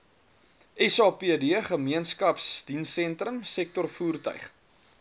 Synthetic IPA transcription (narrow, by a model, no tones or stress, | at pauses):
ʔɛsɑːpiədiəχəmiənskɐpsdinsɛntɾəmsɛk̚tɔrfuːrtœ̰ɥχ